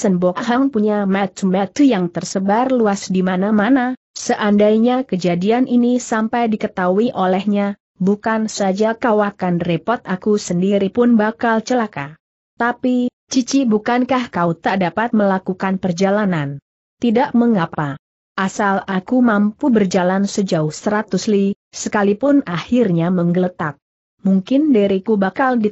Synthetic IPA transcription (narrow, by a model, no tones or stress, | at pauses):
sənbɔkʔɦaŋpuɲamat̪mat̪ujaŋt̪ərsəbarluasdimanamana | səʔandajɲakəd͡ʒadianinisampajdikət̪auiʔolɛhɲa | bukansad͡ʒakawakanrepɔt̪̚akusəndiɾipʊnbakalt͡ʃəlaka | t̪api | t͡ʃit͡ʃibukankahkaut̪aʔdapat̪̚məlakukanpərd͡ʒalanan | t̪idaʔməŋapa | ʔasalakumampubərd͡ʒalansəd͡ʒaʊhsəɾat̪usli | səkalipʊnahirɲaməŋɡələt̪ak̚ | muŋkɪndiɾikubakaldi